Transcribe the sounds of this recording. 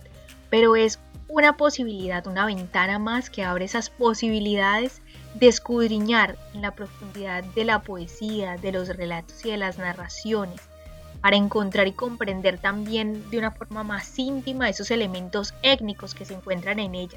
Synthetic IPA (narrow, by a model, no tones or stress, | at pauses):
pe̞ɾo̞e̞sunapo̞siβ̞iliðaðunaβe̞nt̪anamaske̞aβɾeesaspo̞siβiliðaðe̞z | d̪eskuðɾiɲaɾenlapɾo̞fund̪iðaðːe̞lapo̞esiaðe̞lo̞sre̞lat̪o̞̥siðe̞laznarasjo̞ne̞s | paɾae̞ŋko̞nt̪ɾaɾiko̞mpɾe̞nd̪e̞ɾt̪ambje̞nd̪eunafo̞ɾmamasint̪imae̞so̞se̞le̞mẽ̞nt̪o̞se̞ɡniko̞ske̞se̞ːŋkwe̞nt̪ɾane̞ne̞ʝa